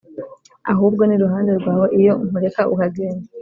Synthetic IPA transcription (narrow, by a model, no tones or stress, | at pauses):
a̰ɦuːb̚ɡo̞niɾuɦaːndeɾɡwaːwoʔijo̞muɾe̞kaʔukaɡeːne